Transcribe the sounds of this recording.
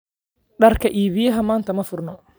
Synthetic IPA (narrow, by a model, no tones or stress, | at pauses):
ɖɐrkʰɐʔiːβɪjɐɦɐmaːnt̪ʰɐmɐfʊrnɔ